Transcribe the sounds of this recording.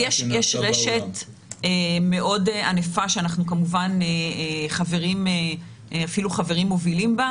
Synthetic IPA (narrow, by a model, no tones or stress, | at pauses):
jeʃjeʃʁeʃet | eme̞ʔo̞deanefaʃeanaχnukamuvaneχave̞ʁime | afiluχave̞ʁimːo̞vilimba